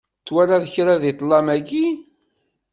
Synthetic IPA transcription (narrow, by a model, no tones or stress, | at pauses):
t͡sːwæɾaðəçɾaðit̪ˤlˤːɑmæɡi